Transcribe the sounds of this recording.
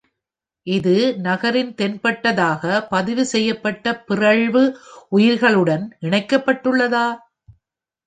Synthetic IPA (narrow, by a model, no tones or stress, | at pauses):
ʔɪðɯnɐɣɐɾɪnt̪ɛnpɐʈːɐðaːɣɐpɐðɪʋɯsɛjːɐpːɐʈːɐpɪrɐɭʋɯʊjɪɾɣɐɭɯɽɐnɪɳɐɪkːɐpːɐʈːɯɭːɐðaː